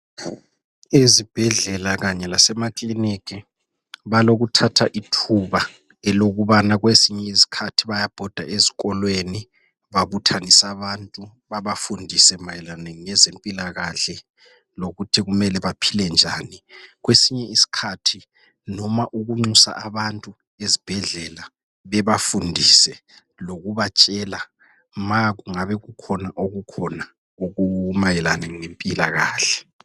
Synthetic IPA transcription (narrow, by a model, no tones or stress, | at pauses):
ezib̥ʱɛɮɛlaɣaɲɛlasɛmakʼlinikʰʼi | βaloɣutʰatʰaʔitʰuβa | ɛloɣuβanaɣwesiɲɛisi̥kʰatʰiβajab̥ʱɔd̥ʱa̰eziɣɔlweni | βaβutʰanisaβantʼu | βaβafundʱisɛmajɛlaneŋŋɛzempʼilaɣaɬɛ | loɣutʰiɣumɛlɛβapʰilɛnd͡ʒʱaːniɣwesiɲɛisi̥kʰatʰi | nɔmaʔuɣuŋ͡ǀusa̰ʔaβantʼu | ezib̥ʱɛɮɛla | βɛβafundʱisɛ | loɣuβat͡ʃʼɛːla | maɣuŋaβɛɣukʰɔnaʔoɣukʰɔna | oɣumajɛlaneŋinempʼilaɣaːɬɛ